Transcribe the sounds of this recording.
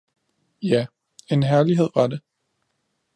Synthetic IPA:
jæ | e̝nɦæɐliɦe̝ð̰ˠʋɑ̈de

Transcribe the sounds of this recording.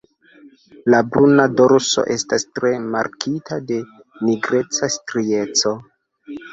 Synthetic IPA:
labɾunadoɾso̞̰ʔe̞stastɾe̞maɾkitʰade̞ | niɡɾe̞t͡sastɾie̞t͡so̞

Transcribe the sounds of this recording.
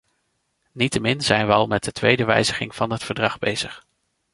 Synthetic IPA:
nitəmɪnz̥ɛjnʋəɑlˠmɛt̚dətʋejdəʋɛ̰jzəχɪŋvɑnɦətfəɹdrɑχbḛjz̥əχ

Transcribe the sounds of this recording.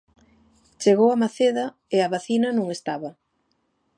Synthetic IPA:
t͡ʃeɣowɐmaθeðɐ | eɐβaθinɐnõŋest̪aβɐ

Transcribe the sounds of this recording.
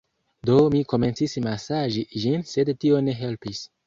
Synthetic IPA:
do̞miko̞me̞nsismasaʒiʒinse̞dtio̞ne̞ɦe̞lpis

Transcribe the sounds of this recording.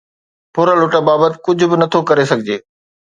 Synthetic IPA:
pʊɾəlʊʈəbaːbət̪ɪ̥kʊd͡ʑʱʊbɪnɐt̪ʰokɐɾesɐɡʱɪd͡ʑeː

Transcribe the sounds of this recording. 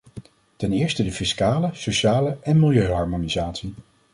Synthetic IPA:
tɛnɪːɹstədəfɪskaːləsowʃaːləʔɛnmɪlˠjøɥɦɑɹmonizaːtsi

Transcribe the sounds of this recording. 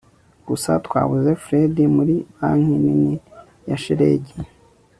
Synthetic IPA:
ɡ̥usatkwa̰ːβuzefɾedimuɾiβaŋhinini | jaʃeɾḛɟi

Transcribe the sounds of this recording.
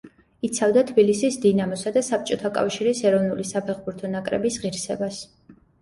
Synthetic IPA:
it̪sʰavd̪at̪ʰbilisisd̪inamɔsad̪asap̚ʰt͡ʃʼɔt̪ʰakʼa̰fʃiɾisɛɾɔvnulisapʰɛχbuɾt̪ʰɔnakʼɾɛ̰bisʁiɾsɛbas

